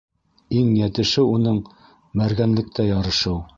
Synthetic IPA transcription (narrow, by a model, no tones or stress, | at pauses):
iŋjæt̪ɘ̆ʃɘunɤɴ | mæɾɡænlɘ̆k̚t̪æjɑɾɤ̆ʃɤw